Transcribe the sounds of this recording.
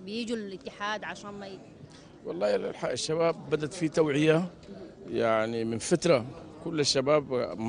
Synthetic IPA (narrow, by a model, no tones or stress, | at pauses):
bjid͡ʒiɪt̪ːɪħaːd̪ʕaʃaːnmaj | wɑ̰lˤːɑːħaɪʃːaβaːbːad̪at̪fit̪awʕɪja | jaʕnimɪnfat̪ɾˤa | kʊlːɪʃːabaːbm